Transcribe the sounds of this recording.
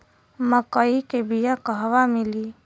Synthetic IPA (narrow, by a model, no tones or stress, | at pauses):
məkəikebijakəɦʋamili